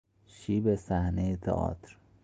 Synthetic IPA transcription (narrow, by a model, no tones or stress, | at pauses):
ʃiːbesæhnejet̪ʰɒ̰ʔɒ̰ːt̪ʰɾ